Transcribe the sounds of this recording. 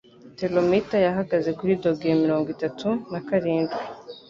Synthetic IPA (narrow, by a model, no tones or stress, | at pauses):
telomitajaɦaɡaze̞kuɾido̞ɡemiɾo̞ːŋɡwitatunakaɾiːndɡi